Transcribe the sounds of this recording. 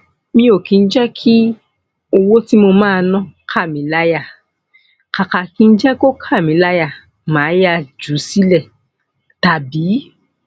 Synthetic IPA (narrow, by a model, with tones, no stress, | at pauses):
mĩ˧o˨kĩ˨˧n̩˦d͡ʒɛ˦kʰi˦ | o˧wo˦ti˦mo˧mãː˦˧nɔ̃˦kʰa˦˨mĩ˨˦la˦ja˦˨ | ka˨ka˨ki˨˧n̩˦d͡ʒɛ˦ko˦kʰa˦˨mĩ˨˦la˦ja˦˨ | mãː˨˦ja˦d͡ʒu˨˦si˦lɛ˦˨ | ta˨biː˨˦